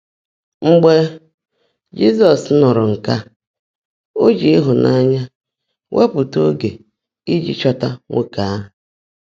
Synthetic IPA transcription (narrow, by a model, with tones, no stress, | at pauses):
ŋ͡m̩˦ɡ͡be˦ | d͡ʒi˦s̬ɔ˨snʊ˨ɾʊ˨ŋ̩˨ka˦ | o˦d͡ʒi˦i˦ɦʊ˨nʔa˦ɲa˦ | wʔe˦pʊ˨to˦ɡe˨ | i˦d͡ʒḭ˦t͡ʃɔ˦ta˦ŋʷe˦ka˨˦˨